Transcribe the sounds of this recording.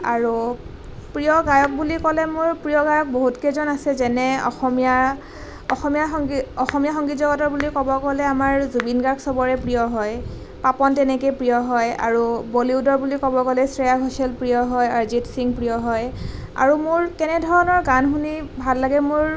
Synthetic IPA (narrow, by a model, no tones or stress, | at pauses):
aɹu | pɹijɔɡajɔk̚bulikɔlɛmʊɹpɹijɔɡajɔk̚boɦutkezɔnasɛzɛnɛɔ̰xɔmija | ɔxɔmijaɔxɔmijaxɔŋɡitzɔɡɔtɔɹbulikɔbɔkɔlɛamaɹzubinɡaɹksɔbɔɹɛpɹijɔɦɔj | papɔntɛnɛkepɹijɔɦɔja̰ɹuboliudɔɹbulikɔbɔkɔlɛsɹɛjaɡʱɔsɛlpɹijɔɦɔjaɹzitsiŋpɹijɔɦɔj | a̰ɹumʊɹkɛnɛdʱɔɹɔnɔɹɡanxunibʱalːaɡɛmʊɹ